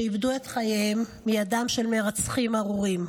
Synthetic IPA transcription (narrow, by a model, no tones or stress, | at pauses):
ibdue̞tχajemːijadamʃe̞lmeʁat͡sχimaʁuʁim